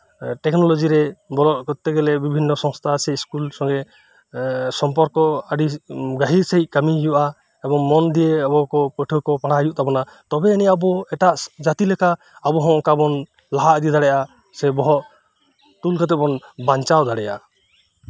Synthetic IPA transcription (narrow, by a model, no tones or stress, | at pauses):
ʈɛknɔlɔd͡ʒiɾɛbɔlɔt̪̚kɔt̪ːɛɡɛlɛbibʱinːɔsɔŋst̪ʰasɛiskulsɔŋɡɛ | sɔmpɔɾkɔəɖiɡaɦiɾsaɦic̚ˀkamiɦijuʔa | ɛbɔŋmɔnd̪ieabɔkɔpɔʈʰɔkɔpaɽajuʔt̪ʰabɔna | t̪ɔbɛiniaabɔɛʈaʔd͡ʒat̪ilɛkʰaː | bɔɦɔ̃ʔɔkabɔn | laɦaʔd̪id̪aɽɛja | sɛbɔɦɔʔ | t̪ulkʰat̪ɛbɔnbaɲt͡ʃawd̪ʱaɽɛja̰